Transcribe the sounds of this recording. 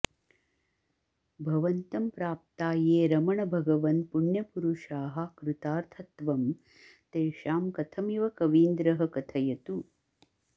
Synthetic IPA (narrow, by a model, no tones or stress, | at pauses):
bʱɐʋɐnt̪ɐmpɾaːp̚t̪aːjeːɾɐmɐɳɐbʱɐɡɐʋɐn̚puɳjɐpuɾuʂaːɦɐkɾut̪aːɾt̪ʰɐt̪ʋɐm | t̪eːʃaːmkɐt̪ʰɐmiʋɐkɐʋiːnd̪ɾɐɦɐkɐt̪ʰɐjɐt̪u